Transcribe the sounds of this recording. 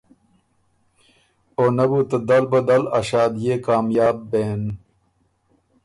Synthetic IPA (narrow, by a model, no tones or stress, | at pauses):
oːnɐbut̪ɐd̪ɐlbɐd̪ɐlɐ̰ɕaːd̪jekaːmjaːbːeːn